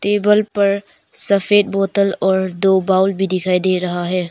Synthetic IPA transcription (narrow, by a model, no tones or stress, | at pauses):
tebəlpɐɾ | sɐpʰet̚bɔtɐlɔɾdobawlbidikʰajdeɾɐɦaɦe